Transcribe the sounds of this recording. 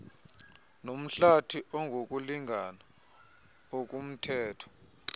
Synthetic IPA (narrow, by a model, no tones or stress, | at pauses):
nom̩ɬatʰiʔɔŋɡʱok̬ʼuliŋʱana | ok̬ʼum̩tʰɛːtʰɔ̥